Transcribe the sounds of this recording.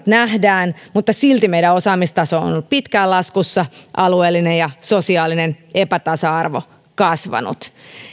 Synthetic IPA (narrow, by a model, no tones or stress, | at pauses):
t̪næhdæːnmut̪ːɑsilt̪imeiɾæosɑːmist̪ɑsoːo̰nolːuppit̪kæːlɑskusːɑʔɑlueːlːinejɑsosiɑːlinenʔepæt̪ɑsɑɑrʋo̰ | kɑsʋɑ̰nṵt̪